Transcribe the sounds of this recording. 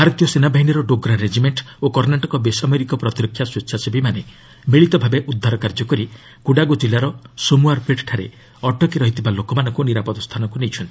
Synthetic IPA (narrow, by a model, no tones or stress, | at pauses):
bʱaɾɔt̪jɔsenabaɦinɔɾɔɖoɡɾaɾed͡ʒimeɳʈokɔɾnaʈɔkɔbesamɔjɾikɔpɾɔt̪iɾɔkʰjaswetːʃʰasebimane | miɭit̪ɔbʱabeʔud̪ʱːaɾɔkaɾd͡ʒɔkɔɾi | kuɽaɡod͡ʒilːaɾɔsomuaɾpeʈʈʰaɾḛ | ɔʈɔkiɾɔɦit̪ʰibalokɔmanɔŋkuniɾapɔd̪ɔst̪ʰanɔŋkunejt͡ʃʰɔnt̪i̥